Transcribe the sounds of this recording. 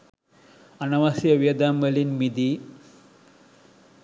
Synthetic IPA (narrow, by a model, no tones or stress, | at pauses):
ɐnɐʋɐsijɐʋijɐd̪aːmʋɐlinmid̪i